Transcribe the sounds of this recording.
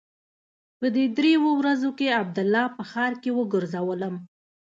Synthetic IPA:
pəd̪ed̪ɾewowɾazokeab̚d̪ʊlːɑpəxɑɾkewəɡəɾzawələm

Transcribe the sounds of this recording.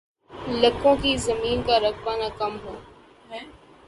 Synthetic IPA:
ləkõːkiːzəmiːnkaːɾəkpaːnaːkəmɦoː

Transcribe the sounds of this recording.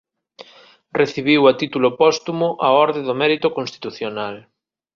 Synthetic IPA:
reθiβ̞iwat̪it̪ulopɔst̪umoʔaɔɾðeðomɛɾit̪okõnst̪i̥t̪uθjonal

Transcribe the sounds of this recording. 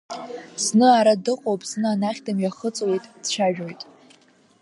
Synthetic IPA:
znɨaɾadɨqʼowpʼznɨanaχʲdʰamjaχət͡sʼwejtʼd̥t͡ʃʰaʒᶣojtʼ

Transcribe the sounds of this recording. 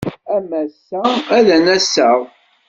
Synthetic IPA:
æmæsːææðænæsːəʁ

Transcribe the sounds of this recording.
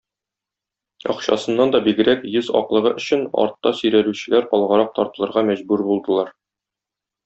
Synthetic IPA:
ɒ̰qɕɑ̰sɤ̆nːɑnd̪ɒbiɡɘ̆ɾækjɘzɒ̰qlˠɤ̆ʁɤʔɵ̆ɕɘnɒ̰ɾt̪ːɑsɵ̆jɾæɾʉɕɘ̆læɾɒlˠʁɤ̆ɾɑq̚t̪ɒɾt̪ɤ̆lˠɤ̆ɾʁɑmæʑbʉɾbulˠd̪ɤ̆lˠɑɾ

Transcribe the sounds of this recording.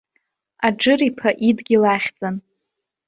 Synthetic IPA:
ad͡ʒɨripʰaʔidɡʲilaχʲd͡zʼan

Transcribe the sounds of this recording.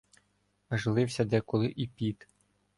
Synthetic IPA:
ʒlˠɪwsʲɐd̪ɛkʊlˠɪʔipʲit̪

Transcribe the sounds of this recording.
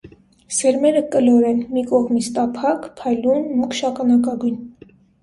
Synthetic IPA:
sɛɾmɛɾəkəlɔɾɛnmikɔʁmit͡sʰt̪ɑpʰɑkpʰɑjlunmukʰʃɑkɑnɑkɑɡujn

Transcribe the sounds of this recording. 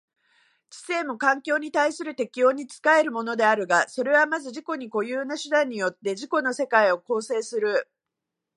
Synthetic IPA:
t͡ɕi̥se̞ːmo̞kãŋkʲo̞ːɲ̟it̪aisɨɾɯ̟t̪e̞kʲijo̞ːɲ̟it͡sɨ̥kae̞ɾɯ̟mo̞no̞d̪e̞aɾɯ̟ɡaso̞ɾe̞βamazɨʑiko̞ɲ̟iko̞jɯːnaɕɨd̪ãɲ̟ːijo̞t̪ːe̞ʑiko̞no̞se̞kaio̞ko̞ːse̞ːsɨɾɯ̟

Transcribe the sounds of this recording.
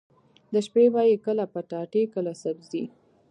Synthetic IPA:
d̪əʃpewɑjikəlapəʈɑʈekəlasabzi

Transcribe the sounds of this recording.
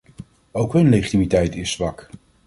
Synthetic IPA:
owkɦɵnlejχitimitɛjtɪsːʋɑk

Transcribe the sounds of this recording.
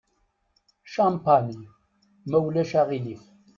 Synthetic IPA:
ʃampani | mæwlæʃæʁilif

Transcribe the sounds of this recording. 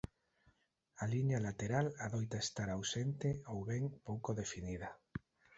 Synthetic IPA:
aliɲalat̪eɾalaðojt̪aest̪aɾawsent̪eowβɛŋpowkoðefiniða

